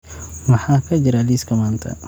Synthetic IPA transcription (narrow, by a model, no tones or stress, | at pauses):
mɐħaːkʰɐd͡ʒɪɾaliskɐmaːnt̪ʰɐ̰